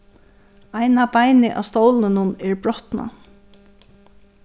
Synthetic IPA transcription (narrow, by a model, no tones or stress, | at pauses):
ajnabajnɪʔa̰ʋst̪owlɪnʊnɛɹbɾɔht̪na̰